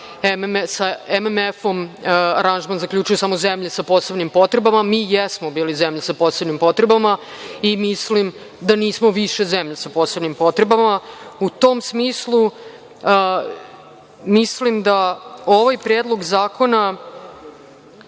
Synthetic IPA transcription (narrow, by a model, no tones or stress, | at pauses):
emsaememefo̞maɾanʒmanzakʎʲuːt͡ʃujosamo̞zemʎesapoːsebnimpo̞t̪ɾe̞bamamiːjesmobiːlizemʎesapo̞ːsebnimpo̞t̪ɾe̞bama | imislim | d̪aniːsmo̞ʋiʃe̞zemʎesapo̞sebnimpo̞t̪ɾe̞bamaut̪o̞msmiːslˠu | mislimd̪ao̞ʋajpɾeːd̪lˠo̞ɡzaːko̞na